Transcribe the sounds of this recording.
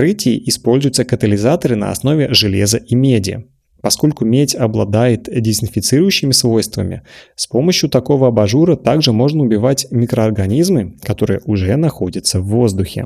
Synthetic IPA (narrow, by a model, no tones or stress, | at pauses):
ɾɨtʲɪɪʔɪspolʲzʊjt̪səkət̪əlʲɪzat̪əɾɨnə̰ɐ̰sno̞vʲɪʐɨlʲezəʔimʲedʲɪə̰ | pɐsko̞lʲkʊmʲetʲɐblˠɐd̪ajɪt̪dʲɪzʲɪnfʲɪt̪sɨɾʊjʉɕːɪmʲɪsvo̞jst̪və̰mʲɪ̰spo̞məɕjʊt̪ɐko̞vəɐbɐʐuɾət̪aɡʐɨmo̞ʐnəʊbʲɪvatʲmʲɪkɾəɐrɡɐnʲizmɨkɐt̪o̞ɾɨjə̰ʔʊʐɛənɐxo̞dʲɪt̪səvːo̞zd̪ʊxʲɪ̰